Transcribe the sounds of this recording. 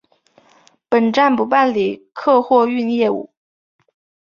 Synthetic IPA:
pə˨˩nʈ͡ʂa˥˩npu˧˥pa˥˩nli˨˩kʰɤ˥˧xwɔ˥˧y˥˧njɛ˥˩ṵ˨˩˦

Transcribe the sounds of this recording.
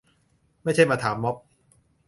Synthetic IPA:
ma˥˩jt͡ɕʰa˥˩jmaː˧t̪ʰaː˩˦mːɔ˦˥p̚

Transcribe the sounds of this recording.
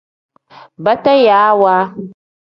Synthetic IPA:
ba˦ta˦ja˨˦wa˦

